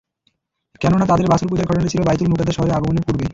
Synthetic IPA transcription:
kɛnonat̪ad̪eɾbasulk̬ud͡ʑaɾɡʱɔʈonat͡ɕʰilobajt̪ulmuʈ̪ad̪eʃɔɦoɾeaɡomoneɾpuɾbe

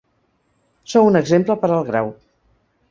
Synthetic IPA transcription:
sowunəɡzempləpəɾəlˠɣɾa̰w

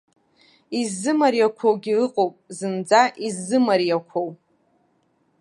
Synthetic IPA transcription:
izːɨmaɾjakʷʰowɡʲilɨqʼowpʼzɨnd͡zaʔizːɨmaɾjakʷʰowpʼ

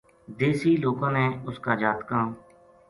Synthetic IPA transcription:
d̪eːsiːloːkãːnẽːʊskaːd͡ʒaːt̪kãː

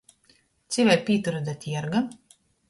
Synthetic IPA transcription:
t̪sivʲɛjpʲiːt̪uɾɨd̪at̪ʲiɛɾɡa

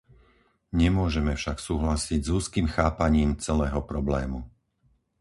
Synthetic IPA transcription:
ɲɛmʊɔʒɛmɛfʃaksuːɦlasiɟzuːskiːmxaːpaɲiːmt͡sɛlɛːɦɔpɾɔblɛːmu

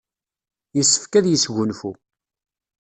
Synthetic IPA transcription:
jəsːə̥fkæðjəsʝʊnfu

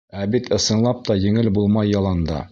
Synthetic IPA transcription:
æbit̪ɤ̆sɤ̆nlˠɑp̚t̪ɑjɘ̆ŋɘlbulˠmɑjːɑlˠɑnd̪ɑ̰

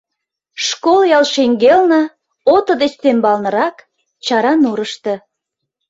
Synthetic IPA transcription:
ʃkoljɑlʃeŋɡelnə̆ | ot̪ə̆d̪est̪embɑlnɤ̆ɾɑk | t͡ɕɑɾɑnuɾəʃt̪ɤ̆

